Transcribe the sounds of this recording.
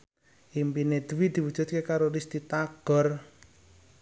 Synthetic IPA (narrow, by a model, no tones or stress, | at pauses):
ʔimpined̪̥wid̪̥i̤wud̥ʒ̥ṳt̪̚kekaɾolist̪it̪aɡ̥ɔ̤r